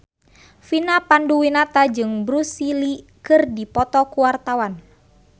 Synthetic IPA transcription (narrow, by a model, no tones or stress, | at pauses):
finapanduwinat̪ad͡ʒɨŋbɾusilikɨrdipɔt̪ɔkuwart̪awan